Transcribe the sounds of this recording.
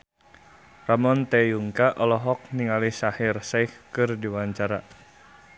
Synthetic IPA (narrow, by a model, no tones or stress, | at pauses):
ramɔnt̪ejuŋkaʔɔlɔɦɔk̚niŋalisahirsajhkɨrdiwaɲt͡ʃaɾa